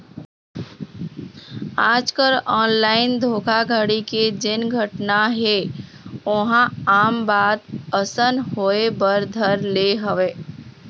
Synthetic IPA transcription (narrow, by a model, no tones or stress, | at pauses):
aːd͡ʒkəɾɔːnlaːɪnd̪ʱoːkʰaɡʱəɽiked͡ʒɪnɡʱəʈnaɦe | oɦãaːmbaːd̪əsənɦoːebəɾd̪ʱəɾleɦəʋeː